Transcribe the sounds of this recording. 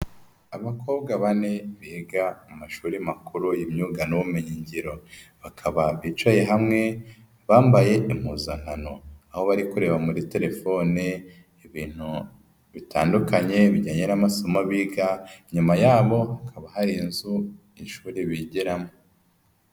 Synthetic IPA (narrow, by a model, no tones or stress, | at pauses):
aβakʰo̞ːbɡaβane̞βiɡaumaʃuːɾimakuɾujimɲuːɡanowumeɲiɲɟiɾo̞βakʰaβaβiːt͡ʃwaje̞ɦamŋe̞ | βaːmbaje̞ʔimuːzan̥hano̞̰aho̞βaɾikuɾe̞βamuɾite̞ɾe̞fo̞ni | iβiːn̥u | βitʰa̰ːndukaɲe̞βiɟaːɲenamasomaβiɡaiɲumajaːβo̞hakʰaβahaɾinzu | inʃuːɾiβiɟiɾamo